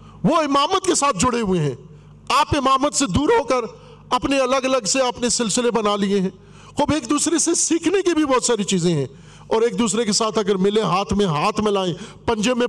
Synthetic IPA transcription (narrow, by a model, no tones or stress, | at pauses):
ʋoɪmaːmət̪kesaːt̪̚ʰd͡ʒʊɽeɦʊeɦɛ̃ː | aːpɪmaːmət̪sed̪uːɾɦoːkəɾ | ɐpneɐləɡɐləɡseɐpnesɪlsɪlebɐnalieɦɛ̃ː | xʊːbeːkd̪uːsɾesesiːkʰnekibʱibɔːt̪saːɾit͡ʃiːzẽɦɛ̃ː | ɔːɾeːk̚d̪uːsɾekesaːt̪ʰɐɡəɾmɪleɦaːt̪ʰmẽɦaːt̪ʰmɪ̃laːẽpɐ̃ɲd͡ʒemẽ